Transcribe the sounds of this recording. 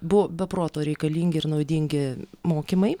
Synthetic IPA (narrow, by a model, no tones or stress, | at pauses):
bʊʋoːbʲɛpɾoːt̪oːɾʲɛɪkɐlʲiːŋʲɡʲɪɪɾnɐʊd̪ʲiŋʲɡʲɪmoːkʲimɐɪ